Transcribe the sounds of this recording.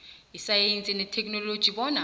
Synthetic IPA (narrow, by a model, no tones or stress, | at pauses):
isajent͡sʼinɛtʰɛk̚ʼnɔlod̥ʒ̥ʱiɓɔːna